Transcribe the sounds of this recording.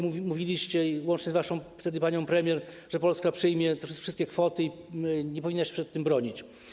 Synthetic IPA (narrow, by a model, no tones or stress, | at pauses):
umuvʲilʲiɕt͡ɕɛiwɔnt͡ʂɲɛzvaʂɔ̃w̃ft̪ɛd̪ɘpaɲɔ̃w̃pɾɛmʲjɛɾ | ʐɛpɔlskapʂɘjmʲjɛt̪ɛʂfʂɘst̪̚kʲɛkfɔt̪ɘiɲɛp̬ɔvʲinːaɕpʂɛt̪ːɘmbɾɔɲit͡ɕ